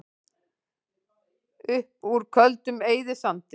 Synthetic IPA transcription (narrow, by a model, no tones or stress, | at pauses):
ʏhpuɾkʰœlt̪ʏmeːjðɪsant̪ɪ